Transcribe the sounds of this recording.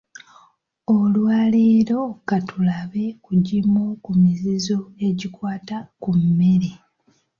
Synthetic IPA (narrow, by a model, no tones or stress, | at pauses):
olwaːleːɾo̞katulaβe̞kuɟimokumizizo̞e̞ɟikwaːtakumːe̞ɾe